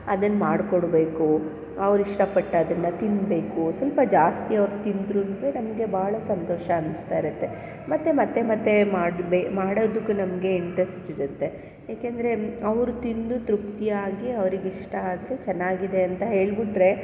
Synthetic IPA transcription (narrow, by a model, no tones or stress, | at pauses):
ɐd̪ɐnːɐmaːɽkoɽbe̞ːku | ɐʋɾiʂʈɐpɐʈːɐɐd̪ɐnːɐt̪inbe̞ːkusʋɐlpɐd͡ʒaːst̪iɐʋɾut̪ind̪ɾunʋenɐmɐɡe̞baːɐɭɐsɐnt̪oːʃɐɐnst̪aːiɾut̪ːe̞ | mɐt̪ːemɐt̪ːe̞mɐt̪ːe̞maːɽbemaːɽod̪ukːunɐmɐɡe̞iɳʈɾesʈiɾut̪ːe̞ | jaːkeːnd̪ɐɾe̞ɐʋɾut̪ind̪ut̪ɾukt̪ijaːɡiɐʋɐɾiɡiʂʈɐaːd̪ɾe̞t͡ʃɛnːaːɡid̪e̞ɐnt̪ɐɦe̞ːɭbiʈɾe̞